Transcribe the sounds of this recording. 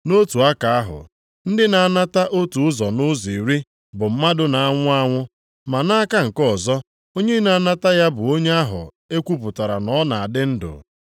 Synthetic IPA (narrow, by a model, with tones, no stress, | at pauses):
no˦tu˨a˦ka˨a˦ɦʊ̰˨ | n̩˦dɪ˦na˨a˦˨na˦ta˦ʔo˦tu˨ʊ˦zɔ˨nʊ˦zi˨ɾi˦ | bʊ˨m̩˦ma˦dʊ˦na˨a˦ŋʷʊ˦a˦ŋʷʊ˦ | ma˨na˦a˦ka˦ŋ̩˨kɔ˦˨zɔ˦ | o˦ɲe˦na˨˦na˦ta˦ja˦bʊ˨o˦ɲe˦a˦ɦʊ̰˨ | e˦kʷu˦pʊ˨ta˨ɾa̰˨nɔ˦na˨a˨dɪ˦n̩˦dʊ̰˨